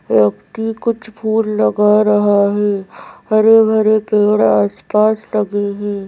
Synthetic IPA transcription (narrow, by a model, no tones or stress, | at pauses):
jɐkt̪ikʊt͡ʃʰpʰuːlːɐɡaɾɐɦaɦɛːhɐɾebʱɐɾepeːɽaːspaːslɐɡeɦɛ̃ː